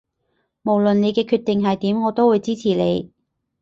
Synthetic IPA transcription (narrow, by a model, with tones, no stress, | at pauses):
mo˨˩wlɵ˨nne˨˧jkɛː˧kʰyː˧t̪̚ɪ˨ŋɦɐ˨jt̪iː˨˥mŋɔː˨˧t̪o˥wuː˨˧jt͡siː˥t͡sʰiː˨˩le˨˧j